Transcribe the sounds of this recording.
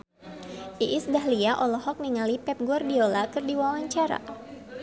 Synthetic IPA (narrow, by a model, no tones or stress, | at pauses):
ʔiʔːsdaɦliaʔɔlɔhɔk̚niŋalipɛp̚ɡuardiolakɨrdiwawaɲt͡ʃaɾa̰